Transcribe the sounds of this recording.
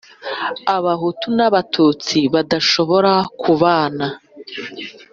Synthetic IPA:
aβaɦutunaβatʰuːt͡siβadaʃo̞βo̞ɾakʰuβaːna

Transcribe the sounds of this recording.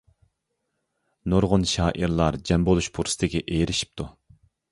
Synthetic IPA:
noɾʁʊnʃɑːʔiɾlˠɑɾd͡ʒɛmbolˠuʃpʰuɾsɨ̥t̪ʰɪɡʲɛʔeːɾɪʃi̥p̚t̪ʰu

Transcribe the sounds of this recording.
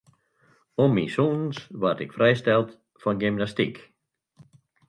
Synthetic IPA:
ɔmːisunnsʋatɪkfrɛjstɛlˠt | fɔnɡɪmnastik

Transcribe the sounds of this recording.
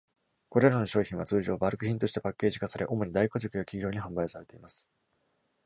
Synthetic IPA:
ko̞ɾe̞ɾano̞ɕo̞ːçʲĩɰ̃βat͡sɨːʑo̞ːbaɾɯ̟kɯ̟çĩnt̪o̞ɕi̥t̪e̞pakʲːe̞ːʑikasaɾe̞ʔo̞mo̞ɲ̟id̪aiko̞ʑikɯjakʲiɡʲo̞ːɲ̟iɦãmbaisaɾe̞t̪e̞imasɨ̥

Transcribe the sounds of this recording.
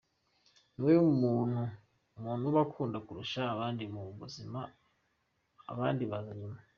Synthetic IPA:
niwejoumuːn̥hu | muːnuβakʰuːndakuɾuʃaːβaːndimuβuzima | βaːndiβazima

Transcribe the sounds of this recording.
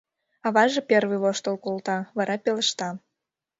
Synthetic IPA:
ɑβɑʒepʲervɨβoʃt̪olkolt̪ɑβɑɾʔɑpeləʃt̪ɑ

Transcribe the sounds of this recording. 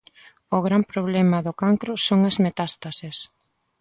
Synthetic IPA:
ʊɣɾampɾoβ̞lɛmɐðʊkaŋkɾʊsoŋɐzmet̪ast̪ases

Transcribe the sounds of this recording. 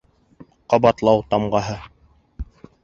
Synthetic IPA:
qɑbɑt̪lˠɑwt̪ɑmɢɑɦɤ

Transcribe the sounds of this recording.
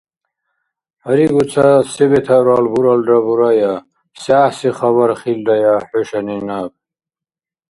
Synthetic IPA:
haɾiɡut͡sʰasɛbɛt̪ʰaɾaːlbuɾald̪abuɾaja | saːħsiχabaɾχild̪ajaħɔʃaninab̚

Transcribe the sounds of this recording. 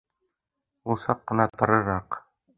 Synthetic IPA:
ulˠsɑqːɤ̆nɑt̪ɤ̆ɾɤ̆ɾɑq

